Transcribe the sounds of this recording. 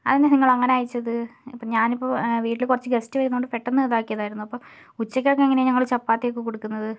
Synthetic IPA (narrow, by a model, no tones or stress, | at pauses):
ɐ̰ðinːɐniŋːɐɭɐŋːɐneaːjit͡ɕːɐðɨɐpːɐɲaːnipːoʋiːʈːilkurɐt͡ɕːɨɡestɨʋɐɾunːuoɳɖɨfeʈːonːɨeːðaːkːijɐðaːjiɾunːuɐpːo | ut͡ɕːɐk̬ʲːokːeŋːɐneɲɐŋːɐɭt͡ɕɐpːaːt̪ːejokːɨkoɽukːunːɐðɨ